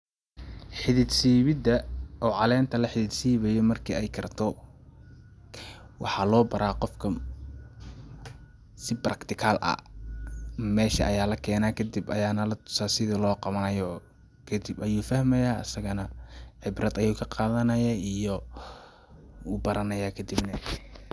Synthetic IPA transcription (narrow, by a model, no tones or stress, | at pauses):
ħɪðɪd̪siːβɪd̪ɐʔɔːʕɑlɛːnt̪ʰɐlɐħɪðɪd̪siːβɛjɔmɐrkʰḭɛjkʰɐrt̪ʰɔ | wɑ̰ħɑlɔːbɐɾʔaːqɔfkʰɐ | sɪbrɐkt̪ʰɪkʰaːlʔɐ̰ | mɛːʃɐ̰ʔɐjaːlɐkʰɛːnaːkʰɐd̪ɪbɐjaːnɐlɐt̪ʰʊ̥saːsɪðɪlɔːqɑβɐnɐjɔː | kʰɐd̪ɪbɐjuːfɐhmɛjaːɐ̰sɐɣɐnɐʕɪbrɐd̪ɐjuːkʰɐqɑːðɐnɐjaːijɔ | wuːbɐɾɐnɐjaːkʰɐd̪ibnɐ